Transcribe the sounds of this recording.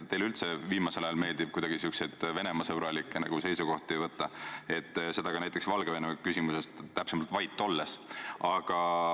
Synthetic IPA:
t̪e̞jlylt̪se̞viːmɑse̞lɑjɑlme̞ːld̪ib̥̚kujd̪̥ɑɡ̥isyksed̪̥ve̞ne̞mɑsɤbɾɑlikːˑenɑ̰ɡ̥use̞jsuɡ̥o̞ht̪iejvɤt̪ːɑe̞t̪ːse̞d̪̥ɑɡ̥ɑnæjt̪ːˑeksvɑlɡeve̞nemkysimuse̞st̪t̪ːæpsemɑlt̪vɑjt̪ːˑo̞lːesɑɡ̥ɑ

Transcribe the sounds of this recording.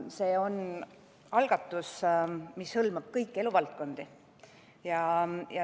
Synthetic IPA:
se̞ːo̞n | ɑlɡ̥ɑt̪ːˑusmishɤlmɑb̥̚kɤjkːˑe̞luvɑlt̪̚ko̞nd̪̥i | jɑjɑ

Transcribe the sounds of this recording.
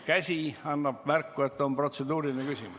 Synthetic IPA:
kæsʲiɑnːɑb̥mærkːue̞t̪ːo̞mpro̞t̪se̞d̪uːɾinekysʲimu

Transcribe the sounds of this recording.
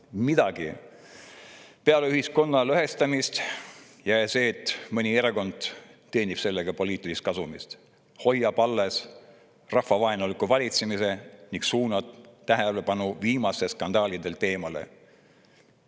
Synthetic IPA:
mid̪̥ɑɡ̥ḭ | pe̞ɑleyhisko̞nːɑløɦest̪ɑmist̪ | jɑse̞ːt̪ːˑmɨnʲieɾeko̞nd̪̥t̪ːe̞ːnib̥se̞lːeɡ̥ɑpo̞lʲiːt̪ːˑilist̪kɑsumist̪ | ho̞jːɑpɑlːes | rɑhfɑvɑenolikuvɑlʲit̪semise̞niŋɡksuːnɑd̪t̪ːæɦelepɑnuviːmɑseskɑnd̪ɑːlid̪e̞lt̪e̞ːmɑlḛ

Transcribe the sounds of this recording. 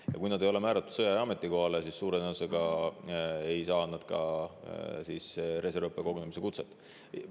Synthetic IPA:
jɑ̰kujnɑd̪e̞jo̞le̞mæːɾɑt̪ːˑud̪̥sɤjɑjɑɑme̞t̪ˑːiko̞hɑlesisːuːɾeneuseɡɑ | e̞jsɑːnɑd̪̥̚kɑ̰ | sisɾe̞se̞ɾpːˑeko̞ɡunemise̞kut̪set̪ːˑ

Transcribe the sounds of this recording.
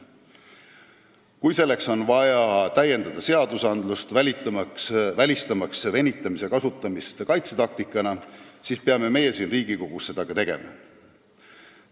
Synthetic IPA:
kujse̞lːe̞kso̞nvɑjɑt̪æje̞nd̪ɑd̪̥ɑse̞ɑd̪̥usɑnd̪lust̪vælʲit̪ːˑksvælʲist̪ɑmɑksvenʲit̪ːˑɑmise̞kɑsut̪ˑːɑmist̪kɑjt̪set̪ɑk̚t̪ikˑːɑnɑsiːspeɑme̞me̞je̞siːnriːɡiko̞ɡ̥usse̞d̪̥ɑɡ̥ɑt̪e̞ɡ̥e̞̰mɑ̰

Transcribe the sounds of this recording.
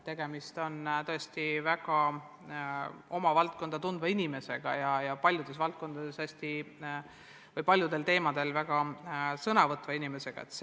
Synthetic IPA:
t̪e̞ɡ̥e̞mist̪o̞nt̪ɤ̞est̪ivæɡ̥ɑ | o̞mɑvɑlt̪̚ko̞nd̪̥ɑt̪und̪vɑinime̞se̞ɡ̥ɑ̰jɑjɑpɑlʲjud̪̥e̞s̬vɑlt̪̚ko̞nd̪̥ɑd̪̥e̞shæsʲt̪i | vɤjpɑlʲjud̪e̞lt̪e̞ːmɑd̪̥e̞lvæɡ̥ɑsɤnɑvɤt̪ːˑvɑinime̞se̞ɡ̥ɑ̰e̞̰t̪s

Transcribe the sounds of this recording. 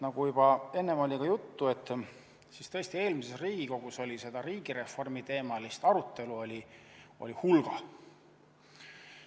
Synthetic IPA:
nɑɡ̥ujub̥ɑe̞nːemo̞lʲikɑjut̪ːuet̪ːˑ | sist̪ɤ̞esʲt̪ie̞ːlmisesriːɡ̥iko̞ɡ̥uso̞lʲise̞d̪ɑɾiːɡ̥iɾe̞fo̞rmit̪e̞ːmɑlist̪ɑɾut̪ˑːe̞luo̞lʲio̞̰lʲihulɡ̥ɑ

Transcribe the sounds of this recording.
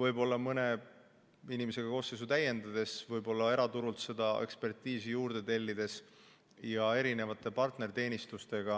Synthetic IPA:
vɤjbo̞lːɑmɤne̞ | inimese̞ɡ̥ɑko̞ːsːejs̬ut̪æjːe̞nd̪ɑd̪e̞svɤjbo̞lːɑe̞ɾɑt̪uɾult̪se̞d̪̥ɑe̞̰kspe̞rt̪ˑiːsijuːrd̪̥e̞t̪e̞lʲːid̪̥e̞s | jɑe̞ɾine̞vɑt̪ːˑe̞pɑrt̪neɾt̪e̞ːnist̪ust̪e̞ɡ̥ɑ

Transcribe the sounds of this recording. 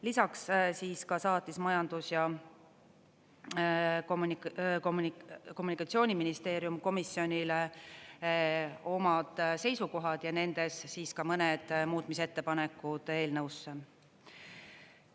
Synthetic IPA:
lisɑkssiːskɑsɑːt̪ːˑismɑjɑnd̪̥usjɑ | komnkomko̞munikːˑɑt̪sio̞ːnʲiminist̪e̞ːɾjumko̞misːio̞nʲile | o̞mɑd̪̥se̞jsuko̞ɦɑd̪̥jɑne̞nd̪e̞sːiːskɑmɤned̪̥muːt̪mise̞t̪ːe̞pɑne̞kːˑud̪̥e̞ːlnɤwsːe

